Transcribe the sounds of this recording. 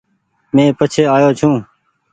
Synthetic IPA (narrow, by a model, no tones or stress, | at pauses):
mẽːpət͡ʃʰeːaːjoːt͡ʃʰũː